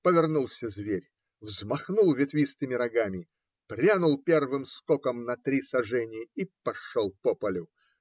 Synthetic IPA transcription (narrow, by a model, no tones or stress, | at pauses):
pəvʲɪrnulˠsʲəzʲvʲeɾʲ | vzmɐxnulˠvʲɪt̪vʲist̪ɨmʲɪɾɐɡamʲɪ | pɾʲanʊlˠpʲe̞rvɨmst̪okəmnɐt̪ɾʲisɐʐɛnʲɪjəipɐʂolˠpopəlʲʊ